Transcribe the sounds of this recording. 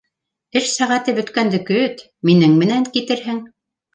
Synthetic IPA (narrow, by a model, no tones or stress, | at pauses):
ɘʃsæʁæt̪ɘbɵ̆t̪kænd̪ɘ̆kɵt̪ | minɘŋmɘ̆næŋkit̪ɘɾɦɘŋ